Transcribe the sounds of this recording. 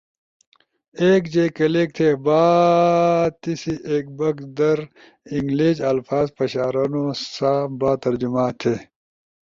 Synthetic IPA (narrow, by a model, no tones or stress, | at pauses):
eːkd͡ʑeːkɐleːk̚t̪ʰeːbaː | t̪isiʔeːk̚bɐkd̪ɐɾ | iŋɡlid͡ʑɐlfaːzpɐɕaːɾɐːnosaːbaːt̪ɐɾd͡ʑumaːt̪ʰeː